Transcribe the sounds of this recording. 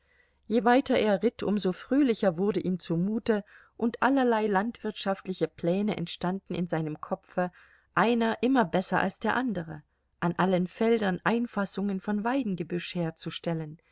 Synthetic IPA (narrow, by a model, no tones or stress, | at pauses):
jeːvaɪtɐʔeːɐʁɪtʰʔʊmzoːfʁ̥øːlɪçɐvʊɐdəʔiːmt͡sumuːtə | ʔʊntʔalɐlaɪlantv̥ɪɐtʃaftlɪçəpʰl̥ɛːnəʔɛ̰ntʃtandn̩ɪ̰nzaɪnəmkʰɔpfə | ʔaɪnɐʔɪmɐbɛsɐʔa̰lsd̥eːɐʔandəʁə̰ | ʔanʔalənfɛldɐnʔaɪnfasʊŋənfɔnvaɪdn̩ɡəbʏʃheːɐt͡suʃtɛlən